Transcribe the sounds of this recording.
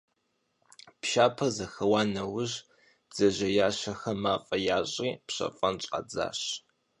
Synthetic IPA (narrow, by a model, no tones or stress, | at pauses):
pʃaːpʰɐzɐxɐwaːnɐwʊʑ | b̥z̥ɐʑɐjaːɕɐxɐmaːfʼɐjaːɕʼiːpɕɐ̰fʼɐnɕʼɐ̰d͡za̰ːɕ